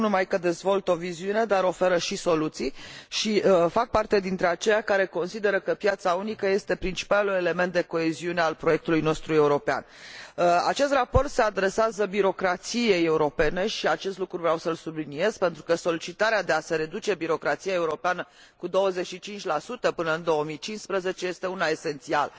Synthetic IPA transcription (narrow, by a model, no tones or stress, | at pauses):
nunumajkəd̪e̞zvo̞lt̪o̞viziune̞d̪aɾo̞fe̞ɾəʃiso̞lut̪sijʃiəfak̚part̪e̞d̪int̪ɾe̞at͡ʃe̞jakaɾe̞ko̞nsid̪e̞ɾəkəpjat̪saunikəje̞st̪e̞pɾint͡ʃi̥palue̞le̞me̞nt̪̚d̪e̞ko̞e̞ziunealpɾo̞je̞k̚t̪ulujno̞st̪ɾue̞uɾo̞pea̰n | a̰t͡ʃe̞s̬t̪rapo̞rt̪se̞ad̪ɾe̞seazəbiɾo̞kɾat̪sije̞jeuɾo̞pe̞ne̞ʃiat͡ʃe̞st̪lukɾuvɾeawsəlsublinie̞z̥pe̞nt̪ɾukəso̞lit͡ʃit̪aɾead̪e̞ase̞ɾe̞d̪ut͡ʃe̞biɾo̞kɾat̪sijae̞uɾo̞peanə | kud̪o̞wəze̞t͡ʃʃit͡ʃint͡ʃʲlasut̪əpɨnəɨnd̪o̞omit͡ʃinspɾəze̞t͡ʃeje̞st̪e̞unae̞se̞nt̪sialə